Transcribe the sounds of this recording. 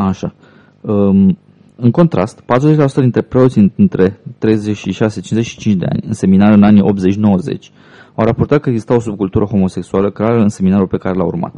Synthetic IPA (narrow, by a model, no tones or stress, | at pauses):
aʃa | ə | ɨŋko̞nt̪ɾʔa̰st̪pat̪ɾuzet͡ʃʲlasut̪əd̪int̪ɾe̞pɾe̞o̞t̪sʲɨɨnt̪ɾʔe̞t̪ɾe̞jzet͡ʃʃiʃase̞t͡ʃinzet͡ʃʃi̥t͡ʃint͡ʃd̪e̞̰a̰nʲɨ̰nse̞minaɾɨnaniʔo̞pt̪ze̞t͡ʃʲno̞wəzḛt͡ʃʲ | awɾapo̞rt̪at̪̚kəeɡzist̪awo̞sub̚kult̪uɾəxo̞mo̞se̞ksualəkɾeaɾəɨnse̞minaɾulpe̞kaɾe̞laṵrma̰t̪